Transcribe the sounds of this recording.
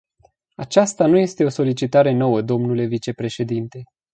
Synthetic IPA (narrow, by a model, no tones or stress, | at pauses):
at͡ʃast̪anuje̞st̪e̞o̞so̞lit͡ʃit̪aɾe̞no̞wəd̪o̞mnule̞vit͡ʃe̞pɾe̞ʃe̞d̪int̪e̞